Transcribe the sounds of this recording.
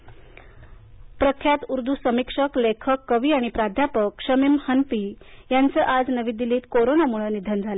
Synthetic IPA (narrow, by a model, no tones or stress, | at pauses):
pɾəkʰjat̪uɾd̪ʱusəmikʂəklekʰəkːəʋiːaɽ̃ipɾad̪ʱjapəkʂəmimhənpi | jant͡səːʔad͡znəʋid̪ːiliːt̪koɾonamuɭənid̪ʱənd͡zʱale